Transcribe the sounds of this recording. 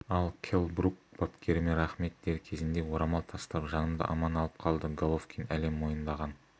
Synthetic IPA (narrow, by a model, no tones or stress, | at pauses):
ɑlˠkʲʰelˠbɾukb̥ɑpkʲe̞ɾɪmeɾɑχme̞t̪̚d̪e̞ɾkʲʰe̞zɪnd̪e̞wo̞ɾɑmɑlˠt̪ʰɑst̪əɾəpʒɑnəmd̪ə̰ʔɑmɑnɑlˠəp̚qʰɑlˠd̪əɡolˠofkʲʰinæle̞mwo̞jənd̪ɑʁɑn